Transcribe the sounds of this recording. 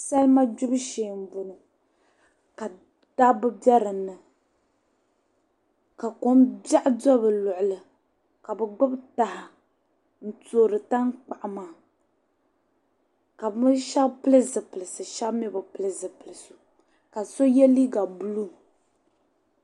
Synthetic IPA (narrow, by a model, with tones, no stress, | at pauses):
sa˦lma˦d͡ʒʊ˦bɨ˦ʃeː˨m̩˨bʊ˨nɨ˨ | ka˨ | d̥a˦bɨ˦bɛ˦ɾɨ˨nːɨ˨ | ka˨ko˨˦mba˦ʔdɔ˦bɨ˨lʊ˨ʔʊ˨lɨ˨ | ka˨bɨ˨ɡ͡bʊ˦bta˨ha˨ | n̩˦toː˨ɾɨ˨ta˦ŋk͡pa˨ʔmaː˨ | ka˨bʃa˦bpɨ˦lɨ˦zɨ˨pɨ˨lɨ˨sɨ˨ʃa˦bmɛ˦bɨ˨pɨ˨lɨ˨zɨ˨pɨ˨lɨ˨su˨ | ka˨so˦jɛ˦li˦ɡa˨bu˦lu˦